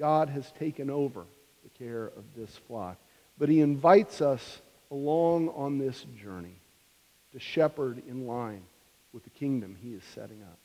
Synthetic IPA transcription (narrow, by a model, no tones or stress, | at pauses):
ɡ̥ɑdɨz̥tʰeɪkɨ̃noʊvə̰˞ | ðɨkʰɛɹʌ̰vðɪsflɑ̰k̚ | b̥ʌt̚hiɨ̃ɱvaɪtsʌs | əlɔ̃ŋə̃nðɪsd̥ʒ̥ɜ˞ni | ɾɨʃɛpə˞ɾɪ̃nlãɪ̃n | wəðɨkʰɪ̃ŋdɨ̃miɨz̥sɛ̰ɾɪ̃ŋʌ̰p̚